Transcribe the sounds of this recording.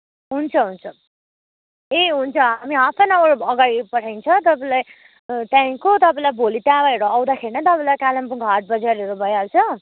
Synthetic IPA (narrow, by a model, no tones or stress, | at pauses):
ɦunt͡sʰʌɦunt͡sʰʌ | eɦunt͡sʰʌamiapʰʌnaʌɽoʌɡaɽipʌʈʰajnt͡sʰʌt̪ʌpaĩlaj | t̪jãj̃kot̪ʌpãlajbʱolit̪jabaeɾoʌwd̪akʰeɾinʌt̪ʌpãĩlajkalampuŋkɦʌʈ̚bʌd͡zaɾʌɾubʱʌjalt͡sʰʌ